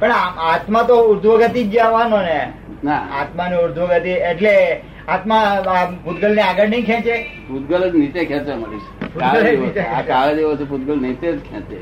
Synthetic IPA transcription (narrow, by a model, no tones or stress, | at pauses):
pəɳaat̪mãt̪oʊɾd̪ʱʋəɡət̪id͡ʒaʋanone | naa̰t̪maniuɾd̪ʱʋəɡət̪ieʈle | at̪mãaput̪ɡəlneaɡəɽnə̃ikʰɛ̃t͡ʃeput̪ɡələd͡ʒnit͡ʃẽkʰɛ̃t͡ʃeməɾḭt͡ʃpuaɡəled͡ʒit͡ʃeaaʋed̪eʋot͡ʃʰeput̪̚ɡəlnit͡ʃẽd͡ʒkʰɛ̰̃t͡ʃḛ